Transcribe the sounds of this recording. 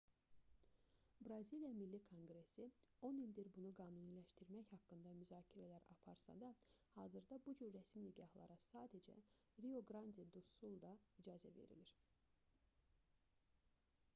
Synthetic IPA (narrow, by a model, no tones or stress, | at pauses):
bɾɑzilijɑmilːikʰo̞ŋɡɾe̞sio̞nilʲd̪iɾbunuɡɑːnunilæʃt̪iɾmæçhɑkːɯnd̪ɑmyzɑːcʰiɾælæɾɑ̰pʰɑ̰ɾsɑ̰d̪ɑ | hɑːzɯɾd̪ɑbud͡ʒyɾːæsminiɟɑhlˠɑ̰ɾɑsɑːd̪æd͡ʒæ̰ | ɾio̞ɡɾɑnd̪id̪usulˠd̪ɑid͡ʒɑːzæ̰vḛɾḭliɾ